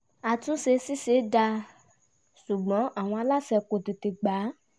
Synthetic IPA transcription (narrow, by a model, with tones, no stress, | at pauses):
a˧tũ˦se˧si˦se˨˦da˧ | ʃu˨ɡ͡bɔ̃˨˦ʔa˨w̃ɔ̃˧a˧la˦sɛ˧ko˨ti˨ti˨ɡ͡ba˨˦